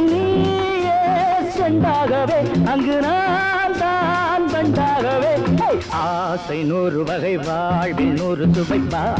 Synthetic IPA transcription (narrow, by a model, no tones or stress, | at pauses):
ni | jeːsɛɳɖaːɣɐʋeːɐŋɡɯnaːnt̪aːnbɐɳɖ̪aːɣɐʋeː | aː | sɐɪnuːrɯʋɐɣɐɪʋaɭʋɪnuːɾɯsʊbɐɪʋaː